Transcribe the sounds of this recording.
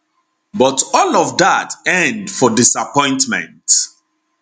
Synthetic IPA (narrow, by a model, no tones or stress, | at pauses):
bɔtɔlɔvðatɛ̃ndfɔdisapʰɔ̃ɪ̃ntmɛ̰̃nt